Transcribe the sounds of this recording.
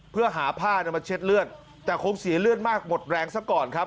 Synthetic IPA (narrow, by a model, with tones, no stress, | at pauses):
pʰɯ˥˩əɦaː˩˦pʰaː˥˩ni˥˩ma˧nt͡ɕʰe˦˥t̪̚lɯ˥˩ən | t̪ɛː˨˩kʰo˧ŋsi˨˩˦ɐlɯ˥˩ənmaː˥˩k̚mo˨˩t̪̚ɾɛː˧ŋsa˦˥˩kɔː˨˩nkʰa˦˥p̚